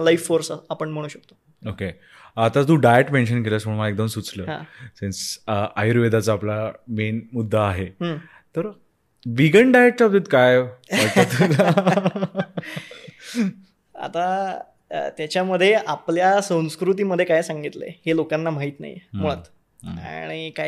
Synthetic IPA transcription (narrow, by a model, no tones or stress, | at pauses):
laifːoɾsaapəɳm̤əɽ̃uːɕək̚t̪o̥ | oke | at̪at̪̬uɖajeʈmẽnɕənkeləːsməɳmaaek̚d̪əmsut͡sləːɦã̰sensʔajɾʋed̪at͡səaplamenmud̪ʱːaːɦeɦəː | t̪əɾ | ʋiɡəɳɖajeʈ̚t͡ɕap̚d̪et̪kajajət̪ | a̰t̪a̰ | t̪jat͡ɕjaməd̪ʱːjeʔapljasə̃w̃skɾut̪̬iːməd̪ʱːjekajsãŋɡit̪lḛhelokanːam̤aɦit̪na̰jm̤uɭat̪ | a̰ɽ̃ika